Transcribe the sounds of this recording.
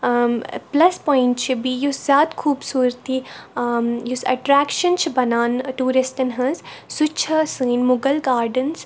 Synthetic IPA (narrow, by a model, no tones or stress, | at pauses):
plɐspɔːɪ̃ɳʈt͡ʃʰibijuszjaːt̪kʰuːbsuːɾt̪ʰi | jʊsɐʈɾæːkʃənt͡ʃʰibɐnaːnʈuːɾɪsʈənɦɐ̃zsut͡ʃʰɐsɨːnmʊɡəlɡaːɾɖəns